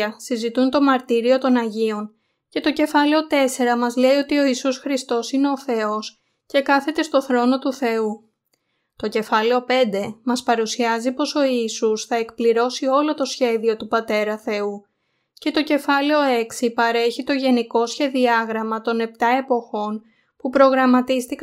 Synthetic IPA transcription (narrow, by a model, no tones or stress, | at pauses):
ɐsizit̪unt̪o̞mɐɾt̪iɾio̞t̪o̞nɐʝio̞n | ce̞t̪o̞ce̞fɐleo̞t̪e̞se̞ɾɐmɐzle̞io̞t̪io̞isusxɾist̪o̞sine̞o̞θe̞o̞s | ce̞kɐθe̞t̪e̞st̪o̞θɾo̞no̞t̪uθe̞u | t̪o̞ce̞fɐle̞o̞pe̞nd̪e̞mɐspɐɾusiɐzipo̞so̞iːsusθɐe̞kpliɾo̞sio̞lo̞t̪o̞sçe̞ðio̞t̪upɐt̪e̞ɾɐθe̞u | ce̞t̪o̞ce̞fɐle̞o̞e̞ksipɐɾe̞çit̪o̞ʝe̞niko̞sçe̞ðiɐɣɾɐmɐt̪o̞ne̞p̚t̪ɐe̞po̞xo̞n | pupɾo̞ɣɾɐmɐt̪ist̪ik